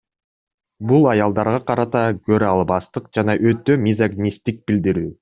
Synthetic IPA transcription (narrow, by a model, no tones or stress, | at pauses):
bulˠɑjɑlˠd̪ɑɾʁɑqɑɾɑt̪ɑkøɾɑlˠbɑst̪ɯq̚d͡ʒɑnɑʔøt̪ːømʲizaɡnʲist̪ik̚bild̪iɾyː